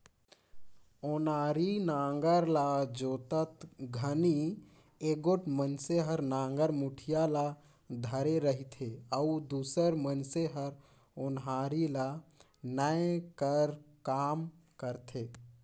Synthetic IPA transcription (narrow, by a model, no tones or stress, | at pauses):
onaːɾinãːŋɡəɾlad͡ʒoːt̪ət̪ɡʱəni | eɡoʈmənseɦəɾnãːŋɡəɾmuʈʰijala | d̪ʱəɾeɾəɦit̪ʰeəud̪uːsəɾmənseɦəɾ | onɦaːɾila | nəekəɾkaːmkəɾt̪ʰe